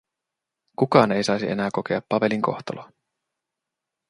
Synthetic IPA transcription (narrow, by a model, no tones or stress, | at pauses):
kukɑːne̞jsɑjsiʔe̞næːko̞ke̞ɑpːɑpe̞liŋko̞̰xt̪o̰lo